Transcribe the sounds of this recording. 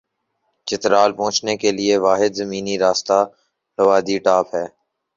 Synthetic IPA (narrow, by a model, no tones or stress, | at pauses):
t͡ʃɪt̪ɾaːlpɔ̃ːt͡ʃnekelɪeʋaːɦɪd̪zəmiːniɾaːst̪aː | ɾəʋaːd̪iʈaːpɦɛː